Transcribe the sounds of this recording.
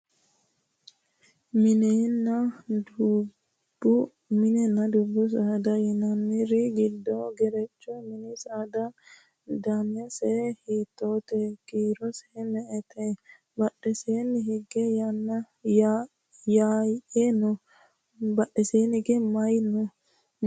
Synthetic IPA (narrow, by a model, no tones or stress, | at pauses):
mɪnenːɐd̪ | bʊ | mɪnɛnːɐd̪ʊbːʊs̬ad̪ɐjɪnɐnːɪɾɪɡɪd̪ːɔɡɛɾɛt͡ʃːɔmɪnɪsad̪ɐ | d̪anɪjɐsɛhiːt̪ːoːt̪ɛɡiːɾɔsɛnɛʔɛt̪ɛ | bɐɗːɛseːnːɪɦɪɡːɛjnːɐ | jaʔenɔ | bɐɗɛseːnɪɡɛmɐjnɔ